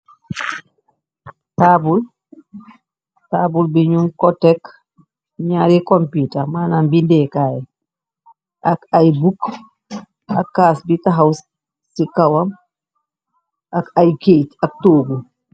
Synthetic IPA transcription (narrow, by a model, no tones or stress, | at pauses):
taːbul | taːbulbiɲuŋkɔtɛk | ɲaːɾikɔmpitɐmaːnambindɛːkaːjɛ | ʔakajbuk | ɐ̰kːaːsbitaɦaws | sikɐwɐm | ʔakajkejtɐk̚toːɡu